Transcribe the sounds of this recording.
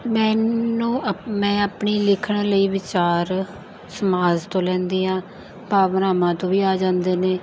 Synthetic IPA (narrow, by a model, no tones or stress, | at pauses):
mɛ̃ːnũːmɛ̃ːapɳiːlɪkʰɳləiːʋɪt͡ʃaːɾ | səmaːzt̪õːlɛ̃ːnd̪iːɦãː | paːʋnaːmãːt̪õːʋiːaːd͡ʒãːnd̪eːneː